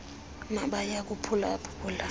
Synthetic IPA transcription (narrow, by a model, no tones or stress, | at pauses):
naɓajak̬upʰulapʰu̥pʰula